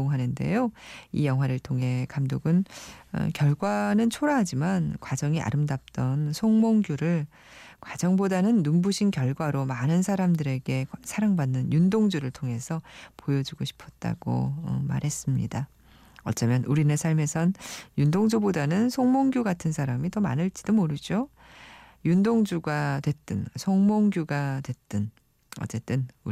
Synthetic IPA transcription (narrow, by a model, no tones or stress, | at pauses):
oŋɦanɯnde̞̰joḭjʌŋɦwaɾɯɭtʰoŋɦe̞kamdoɡɯnʌ̰kjʌɭɡwanɯnt͡ɕʰoɾaɦad͡ʑimankwad͡ʑʌŋia̰ɾɯmdap̚t͈ʌnsʰoŋmoŋɡjuɾɯɭ | kwad͡ʑʌŋbodanɯnːumbuɕʰinkjʌɭɡwaɾomanɯnsʰaɾamdɯɾe̞ɡe̞sʰaɾaŋbanːɯnjundoŋd͡ʑuɾɯɭtʰoŋe̞sʰʌpojʌd͡ʑuɡoɕʰi̥pʰʌt̚t͈a̰ɡ̥o̰ʌ̰ma̰ɾɦe̞s͈ɯmɲḭda | ʌt͡ɕ͈ʌmjʌnʔuɾinesʰaɭme̞sʰʌnjundoŋd͡ʑubodanɯnsʰoŋmoŋɡjuɡatʰɯnsʰaɾamitʌma̰nɯɭt͡ɕid̥omoɾɯd͡ʑo | jundoŋd͡ʑuɡadwe̞t͈ɯnsʰoŋmoŋɡjuɡadwe̞t͈ɯn | ʌ̰t͡ɕ͈e̞t͈ɯnu